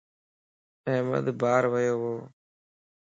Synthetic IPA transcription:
ɛ̃ːmə̰d̪bʱaːɾʋəjoːɦoː

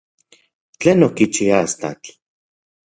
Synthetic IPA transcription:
t͡ɬeːnokit͡ʃiast̪a̰t͡ɬ

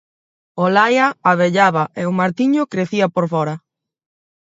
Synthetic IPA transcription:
olajaaβeʎaβaʔeʊmaɾt̪iɲʊkɾeθiapoɾfɔɾa

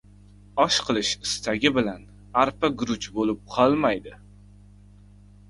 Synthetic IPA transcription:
ɒʃqʰɨlˠɪʃɪst̪ʰaɡʲɪbɪlan | aɾpaɡɾʊt͡ʃbolɪp̚qʰɒlˠmajd̪ɪ

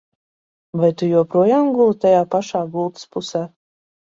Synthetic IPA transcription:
vajt̪ujuɔpɾuɔjaːmɡulˠt̪ajaːpaʃaːɡulˠt̪ɨ̥spusæː

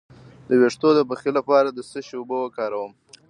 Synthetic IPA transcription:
d̪əweʂt̪od̪əbaxilapɑɾad̪əsəʃubəwəkɑɾawəm

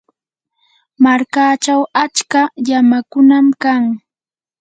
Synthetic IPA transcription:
maɾkaːt͡ʃawat͡ʃkaʎamakʊnamkaŋ

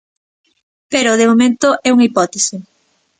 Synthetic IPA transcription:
peɾoðemomẽnt̪oʔɛuŋipɔt̪esɪ

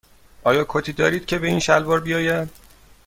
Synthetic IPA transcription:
ɒːjɒːkʰot̪ʰiːd̪ɒːɾiːd̪̥̚cʲʰe̞be̞iːnʃælvɒːɾbijɒːje

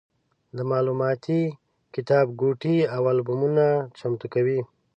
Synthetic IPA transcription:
d̪əmɑːlumɑt̪ʰi | kɪt̪ɑbɡuʈiawalbumunat͡ʃamt̪ukawi

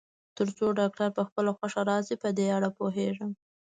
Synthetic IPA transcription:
t̪əɾt͡soɖɑk̚ʈaɾpəxpəlaxwaʂaɾɑzipəd̪eaɽapoɦeʐəm

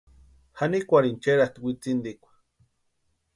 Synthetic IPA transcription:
hanikʷaɾint͡ʃeɾaht̪wʷit͡sind̪ikʷḁ

